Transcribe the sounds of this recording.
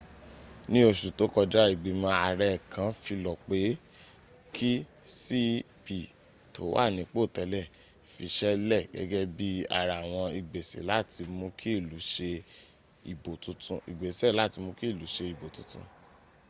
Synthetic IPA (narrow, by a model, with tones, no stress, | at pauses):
nĩ˦o˧ʃu˨to˨˦kɔ˧d͡ʒa˦i˨ɡ͡bi˨mã˧˦a˨ɾɛ˧˨kã˨˦fi˧lɔ˨k͡pe˨˦ | kʰi˦ | si˦ | bi˨ | to̰˨˦wa̰˦˨nĩ˨˦k͡po˦˨tɛ˨˧lɛ˦˨ | fi˧ʃɛ˦lɛ˦˨ɡɛ̰˦ɡɛ˦bi˦a̰˨ɾa˨w̃ɔ̃˧i˨ɡ͡be˨sḛ˨˦la˦˨ti˧mõ˧˦kʰi˦˨lu˨˦ʃe˧ | i˨bo˨tũ˨˦tũ˧˦ḭ˨ɡ͡be˨sɛ˦˨la˦˨ti˧mõ˧ki˦˨lu˨˦ʃe˧i˨bo˨tũ˨˦tṵ̃˧